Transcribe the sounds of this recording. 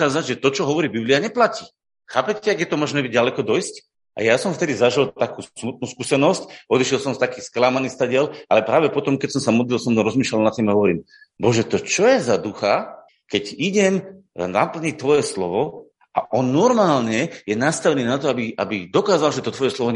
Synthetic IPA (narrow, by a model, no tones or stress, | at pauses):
kaːzaɟʒɛt̪ɔt͡ʃɔɦɔʋɔɾiːbibliaɲɛplaciː | xaːpɛcːɛaɡjɛt̪ɔmɔʒnɛbiɟalɛkɔd̪ɔjsc | ʔa̰jasɔmft̪ɛd̪izaʒilt̪akuːsmut̪̚nuːskusɛnɔscʔɔd̪iʃilsɔmst̪akiːsklamaniːst̪aɟɪɛlʔa̰lɛpɾaːʋɛpɔt̪ɔmkɛsɔmsamɔd̪lilsɔmɾɔzmiːʃlalnat̪ːimaɦɔʋɔɾiːm | bɔʒɛt̪ɔt͡ʃɔjɛzad̪uxa | kɛɟiɟɛmna̰pl̩ɲit̪ʋɔjɛslɔ̰ʋɔ | ʔa̰ʔɔnːɔɾmaːlɲɛjɛnast̪aʋɛniːnat̪ɔabiʔa̰bid̪ɔkaːzalʒɛt̪ɔt̪ʋɔjɛslɔʋɔ